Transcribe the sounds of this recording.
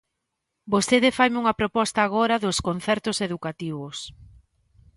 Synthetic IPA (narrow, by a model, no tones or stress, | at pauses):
bost̪eðɪfajmuŋɐpɾopɔst̪aːɣoɾɐðʊskon̟θɛɾt̪ʊseðukat̪iβʊs